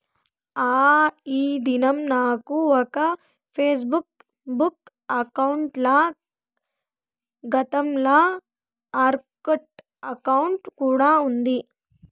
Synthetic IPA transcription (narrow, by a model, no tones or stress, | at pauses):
aːiːd̪inɐmnaːkuɔkɐ | pʰeːs̬buk | buk | ɐkɐwɳʈlɐ | ɡɐt̪ɐmlɐ | aːɾkɐʈ | ɐkɐwuɳʈkuːɽaːund̪i